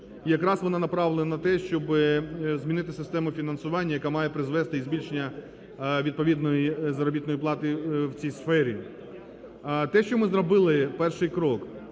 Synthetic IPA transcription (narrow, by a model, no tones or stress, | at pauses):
ijɐkɾɑsʋɔnɑnɐpɾɑʋlˠenɐnɐt̪ɛʃt͡ʃɔbɪzmʲinɪt̪ɪsɪst̪ɛmʊfʲinɐnsʊʋɑnʲːɐjɐkɑmɑjepɾɪzʋɛst̪ɪizʲbʲilʲʃenʲːɐ | ʋʲid̪̚pɔʋʲid̪nɔjizɐɾɔbʲit̪nɔjiplˠɑt̪ɪwt͡sʲijsfɛɾʲi | t̪ɛʃt͡ʃɔmɪzɾɔbɪlˠɪpɛrʃɪjkɾɔk